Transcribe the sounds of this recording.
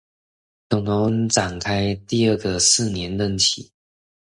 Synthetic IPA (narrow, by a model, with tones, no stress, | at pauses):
t̪ʊ˧˩ŋno˧˥ŋʈ͡ʂa˨˩ŋkʰa˥ɪt̪i˥˧ə˥˧˩ɡə˨sɹ̩˥˩njɛ˧˦˥nlə˥˧˩ŋt͡ɕʰḭ˨˩˦